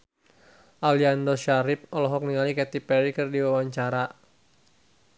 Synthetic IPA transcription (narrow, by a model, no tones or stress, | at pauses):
ʔaliandɔʃaɾɪp̚ɔlɔɦɔk̚niŋalikɛt̪ipɛɾikɨrdiwawaɲt͡ʃaɾa